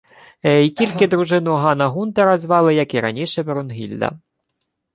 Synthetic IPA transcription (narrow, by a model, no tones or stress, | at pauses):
ikʲilʲkɪd̪ɾuʒɪnʊɦɑnɐɦunt̪ɛɾɐzʋɑlˠɪjɐkiɾɐ̰nʲiʃɛbeɾʊnɦʲilʲd̪ɐ̰